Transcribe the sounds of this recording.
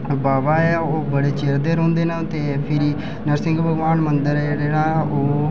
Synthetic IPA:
baːʋaːɛːoːbəɽeːt͡ʃeːɾd̪eːɾõːnd̪eːnat̪eːpʰɪɾiː | nəɾsɪŋɡbʱəɡʋaːnmənd̪əɾɛɾeːɽaːoː

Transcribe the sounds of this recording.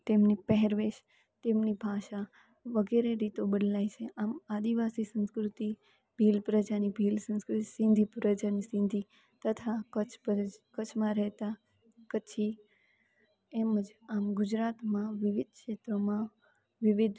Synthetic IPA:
t̪emnipəɦɛɾʋeʃ | t̪emnibʱaʃa | ʋəɡɛɾeɾit̪obəd̪lajt͡ʃʰeʔamad̪iʋasisə̃nskɾut̪i | bʱilpɾəd͡ʒanibʱilsə̃nskɾʊt̪isɪ̃nd̪ʱipɾəd͡ʒanisɪ̃nd̪ʱi | t̪ət̪ʰakət͡ʃʰəkət͡ʃʰmãɾɛɦt̪a | kət͡ʃʰi | eməd͡ʒamɡʊd͡ʒɾat̪mãʋɪʋɪd̪̚ʱkʃet̪ɾomã | ʋɪʋɪd̪ʱ

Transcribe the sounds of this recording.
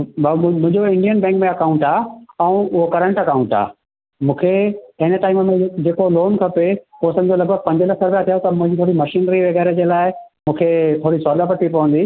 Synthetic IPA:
mʊ̃ɦɪ̃ɲd͡ʑoɪ̃ɳɖijənbɛ̃ːŋkmẽɐkãʊ̃ɳʈaːɛ̃ũʊɦokɐɾə̃ɳʈɐkaːũɳʈa̰ː | mũːkʰeɐɦɪ̃nə̆ʈaːɪməmẽd͡ʑeːkoloːnkʰɐpepoːsɐ̃md͡ʑolɐɡ̚bʱəɡ̚pɐ̃ɲd͡ʑəlɐkʰɐɾbjat̪ʰijot̪ɐmʊ̃ɦɪ̃ɲd͡ʑit̪ʰoːɽimɐʃiːnɾiʋɐɣɛːɾed͡ʑeːlaːɪmũːkʰet̪ʰoːɽisɔːlapɐʈipɐʋə̃nd̪iː

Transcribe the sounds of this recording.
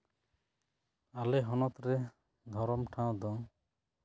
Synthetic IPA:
alɛɦɔnɔt̪ɾɛ | d̪ʱɔɾɔmʈʰãw̃d̪ɔŋ

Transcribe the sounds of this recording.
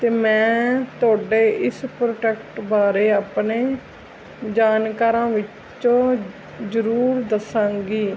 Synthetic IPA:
t̪eːmɛ̃ːt̪ʊaːɖeːʔɪspɾoːʈɛːkʈbaːɾeːaːpneː | d͡ʒaːnkaːɾãːʋɪt͡ʃ | t͡ʃõː | zəɾuːɾd̪əsãːŋɡiː

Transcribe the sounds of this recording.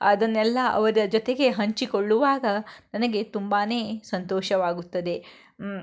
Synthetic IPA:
ɐd̪ɐnːɛlːɐʔɐ̰ʋɐɾɐd͡ʒot̪e̞ɡe̞ɦɐɲt͡ʃikoɭːuʋaːɡɐnɐnɐɡe̞t̪umbaːneːsɐnt̪oːʃɐʋaːɡut̪ːɐd̪e̞

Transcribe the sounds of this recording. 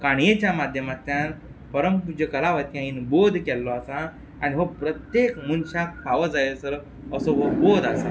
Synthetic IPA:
kaɳ̃jet͡ɕjamad̪ʱjəmat̪ːjan | pəɾəmpud͡ʑəkəlaʋəjt̪jãinbod̪ʱkɛlːɔasa̰ː | ñiɦopɾət̪jekmunɕak̚paʋəd͡zajsəl | əsɔɦobod̪asa̰

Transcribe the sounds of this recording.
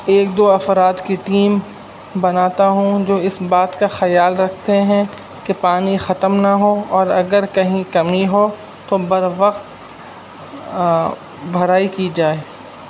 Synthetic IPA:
eːkd̪oːɐfɾaːt̪kiʈiːm | bɐnaːt̪aɦũd͡ʒoːɪsbaːt̪kaxɐjaːlɾɐkʰt̪eɦɛ̃ | kepaːnixɐt̪əmnaɦoɔːɾɐɡəɾkɐɦĩkɐmiɦo | t̪obɐɾʋɐqt̪ | bʱɐɾaːikid͡ʒaːe

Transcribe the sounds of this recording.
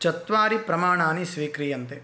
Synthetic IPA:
t͡ʃɐt̪ʋaːɾipɾɐmaːɳaːnisʋiːkɾijɐnt̪e

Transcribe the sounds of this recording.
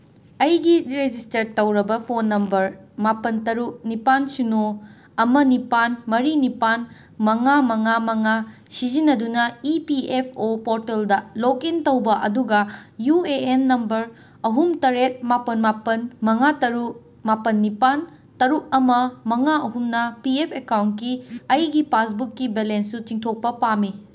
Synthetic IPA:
ɐjɡiɾed͡ʒistɐɾtːɐwɾɐbɐpʰonːɐmbɐɾmapɐntɐɾuk̚nipansuno | ɐmɐnipanmɐɾinipan | mɐŋamɐŋamɐŋa | sizinɐdunɐipiepʰopoɾteldɐlokintɐwbɐʔɐduɡɐjueenːɐmbɐɾ | ɐɦumtɐɾet̚mapɐnmapɐnmɐŋatɐɾuk̚ | mapɐnːipan | tɐɾuk̚ɐmɐmɐŋaɐɦumnɐpiepʰekawntkiɐjɡipasbukːibelensːut͡ʃiŋtʰok̚pɐpami

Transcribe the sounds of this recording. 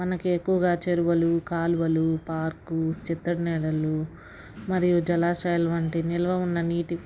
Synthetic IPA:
mɐnɐkuekːuʋɐɡaːt͡ʃeɾuʋɐlukaːluʋɐlupaːɾkut͡ʃit̪ːɐɽnɛːlɐlu | mɐɾijud͡ʒɐlaːʃɐjɐlɐʋɐɳʈinilɐʋɐunːɐniːʈi

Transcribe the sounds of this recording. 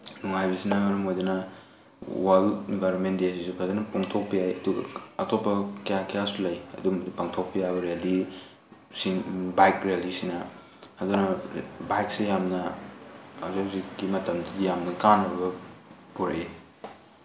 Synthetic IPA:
nuŋajbisinaɡɐɾumojdɐnɐ | walinbʱajɾonmentdesisupʰadɐnɐpuŋtʰok̚pijajɐduɡɐ̰ɐtʰopːɐkɐjakɐjasulɐjɐ̰dumdipaŋtʰok̚pijabɐɾijali | sinbajkɾialisinɐ | ɐdunɐbajk̚sejamnɐ | azaziɡimɐtɐmdɐdijamnɐkanɐbɐ | puɾɐʔe

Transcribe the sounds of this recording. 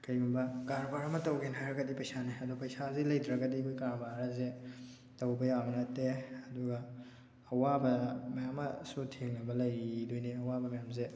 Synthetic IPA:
kɐjɡumbɐkaɾbaɾɐmɐtɐwɡenɦajɾɐɡɐdipɐjsaneɐdupɐjsazilɐjdɾɐɡɐdikʰojkaɾbaɾɐze | tɐwbɐjabɐnɐteɐduɡɐː | wabɐmɐjamːɐsutʰeŋnɐbɐlɐjɾidojneɐwabɐmɐjamze

